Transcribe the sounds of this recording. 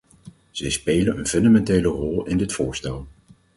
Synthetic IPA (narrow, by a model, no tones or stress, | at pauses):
z̥ɛjspejlənənfɵndamɛntejlərɔlˠɪndɪtfʊːɹstɛlˠ